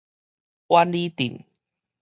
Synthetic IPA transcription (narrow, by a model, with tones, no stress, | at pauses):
ʔwa˦nli˦t̪ḭ˨˩n